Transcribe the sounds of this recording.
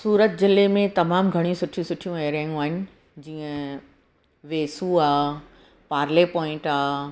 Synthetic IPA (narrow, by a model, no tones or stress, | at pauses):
suːɾət̪zɪlemẽt̪ɐmaːmɡʱɐɽ̃ijũsʊʈʰijũsʊʈʰijũeːɾãːjũaːɦɪnɪ̆ | d͡ʑiːə̃ | ʋeːsuaː | paːɾlepɔːɪ̃ɳʈaː